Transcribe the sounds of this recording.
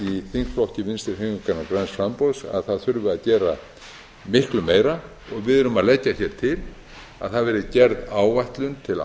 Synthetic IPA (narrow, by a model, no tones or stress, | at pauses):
iθiŋsflɔhcɪvɪnst̪ɪɾ̥heʏŋkanakɾansfɾampowsa̰ðθaðθʏɾvʏaðcɛːɾa | mɪhklʏmeːjɾa | ɔɣvɪðʏɾʏmaðlɛcːaçɛːɾ̥t̪ʰɪl | a̰ðθaðvɛːɾɪcɛɾðaːwvajht̪lʏnt̪ʰɪl